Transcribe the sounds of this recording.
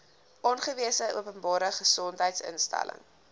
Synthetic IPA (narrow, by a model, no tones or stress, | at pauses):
ʔɔnχəviəsəʔuəpənbɑːɾəχəsɔntɦəjtsə̰nstæ̰lə̰ŋ